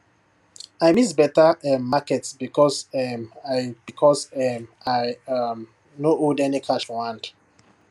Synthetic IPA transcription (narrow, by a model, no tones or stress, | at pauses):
ajmisbɛtaɛmːakɛtsbikɔsɛmaɪb̥ikʰɔsɛmaɪam | noodɛnikʰaʃwãnd